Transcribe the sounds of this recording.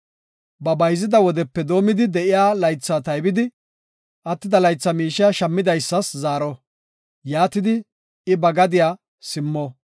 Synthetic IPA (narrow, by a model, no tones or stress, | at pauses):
bɐbɐjzɪd̪ɐwɔd̪ɛpːɛd̪o̞ːmɪd̪ɪd̪ɛʔɪjaːlɐjt͡sːat̪ɐjbɪd̪ɪ | ʔɐt̪ːɪd̪ɐlɐjt͡sːɐmiːʃɪjaʃɐmːɪd̪ɐjsːɐszaːɾɔ | jaːt̪ɪd̪ɪ | ɪbɐɡɐd̪ɪjaː | sɪmːɔ